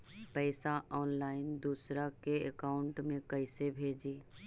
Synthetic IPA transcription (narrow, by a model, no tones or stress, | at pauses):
pəɪsaʔɔːnlaːɪnd̪uːsɾakeḛkaːʊɳʈmẽkɐɪsebʱeːd͡ʒiː